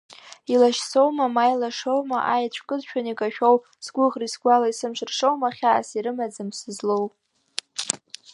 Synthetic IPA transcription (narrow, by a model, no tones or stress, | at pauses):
ilaʃso̞wmamajlaʂowmaʔajat͡ɕʷʰkʼɨzʃᶣanikʼaʃᶣow | sɡʷʊʁrisɡʷalaisɨmʃɨrʂowmaχʲaa̰siɾɨmad͡zamsɨzlow